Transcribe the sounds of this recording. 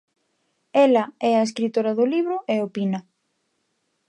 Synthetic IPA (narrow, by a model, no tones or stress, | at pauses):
ɛlɐɛɐeskɾit̪oɾɐðʊliβɾʊʔeopinɐ